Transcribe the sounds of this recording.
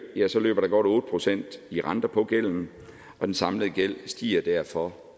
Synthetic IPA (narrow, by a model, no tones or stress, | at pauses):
jæsɒ̽lø̰ːb̥ɐɾ̥ɑ̈ɡ̥ɒ̽ɾ̥ɔ̽ːd̥əpʰʁo̝sen̰d̥iʁɑ̈nd̥ɐpʰɒ̽ɡ̥el̰n̩ | ʔɒ̽d̥ensɑ̈mləð̩ˠɡ̥el̰sd̥ḭːɐd̥æɐfɒ̽